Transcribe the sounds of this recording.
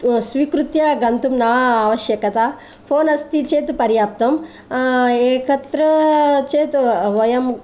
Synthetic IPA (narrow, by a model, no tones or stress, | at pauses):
sʋiːkɾut̪jaɡɐnt̪umnaːaːʋɐʃjɐkɐt̪aː | pʰoːnɐst̪it͡ʃeːt̪upɐɾjaːp̚t̪ɐm | eːkɐt̪ɾɐt͡ʃeːt̪uʋɐjɐm